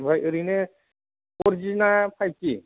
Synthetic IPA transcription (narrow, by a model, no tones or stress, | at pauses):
bʱajɯɾine | ɔɾd͡ʒinapʰajt͡ʃi